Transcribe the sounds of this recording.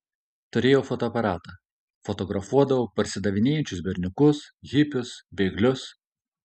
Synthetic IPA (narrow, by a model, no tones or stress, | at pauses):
t̪ʊɾʲeːjoːfɔt̪oɐpɐɾɑːt̪ɐː | fɔt̪ɔɡɾɐfuɔd̪ɐʋoːpɐɾʲsʲɪd̪ɐʋʲɪnʲeːjɛnʲt͡ʃʲʊsbʲɛɾʲnʲʊkʊsɣʲɪpʲʊsbʲɛɪɡlʲʊs